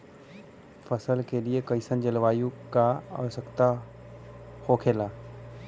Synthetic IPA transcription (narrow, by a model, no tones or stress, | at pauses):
fəsəlkeliekəɪsənd͡ʑəlʋaːjũkaa̰ʋəsəkt̪a | hoːkʰeːlaː